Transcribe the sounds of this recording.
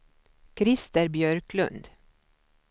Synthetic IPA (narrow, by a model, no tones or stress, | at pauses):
kʰɾɪst̪əɾbjœɾkʰlɵ̰nd̪